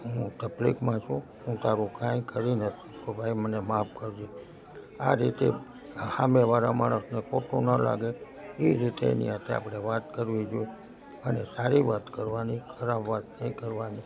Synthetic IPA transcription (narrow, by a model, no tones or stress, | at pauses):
ɦũt̪əblḭkmãt͡ʃʰũɦũt̪aɾukãĩkəɾinət̪ukobʱaimənemapkəɾd͡ʒe | aɾit̪e | hameʋaɾamaɽ̃əsnekoʈonəla̰ɡe | iɾit̪eḛnḭɦãt̪ʰea̰pɽ̃eʋat̪kəɾʋid͡ʒoe | ənesaɾiʋat̪kəɾʋanikʰəɾabʋat̪nəĩkəɾʋani